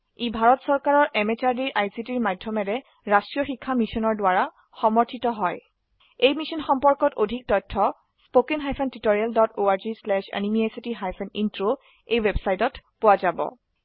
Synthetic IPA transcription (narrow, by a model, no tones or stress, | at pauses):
ibʱaɹɔtsɔɹkaɹɔɹʔɛmet͡ʃaɹdiɹʔajsitiɹmadʱːɔmɛɹɛ | ɹastɹijɔxikʰːamisɔnɔɹdʊwaɹa | xɔmɔɹtʰitɔɦɔj | ejmisɔnxɔmpɔɹkɔtodʱik̚tɔtʰːɔ | spokenɦajpʰɛntitoɹialdɔtoaɹzislɛʃa̰nimiesitiɦajpʰɛnintɹo | ejwebsajtɔtpʊwazabɔ̰